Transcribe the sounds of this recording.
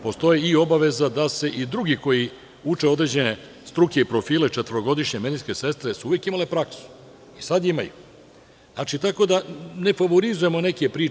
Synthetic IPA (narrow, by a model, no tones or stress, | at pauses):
po̞st̪o̞jeio̞baʋe̞zad̪ase̞ʔid̪ɾuɡiko̞ji | ut͡ʂe̞o̞d̪ɾed͡ʑe̞ne̞ | st̪ɾuke̞ipɾo̞fiːle̞t͡ʂet̪əɾo̞ɡo̞d̪iʃɲemed̪iske̞se̞st̪ɾesuuʋjekimalepɾaksu̥ | isad̪ima̰ju | zna̰t͡ʃit̪ako̞d̪ane̞faʋo̞ɾizuje̞mo̞ne̞kepɾiː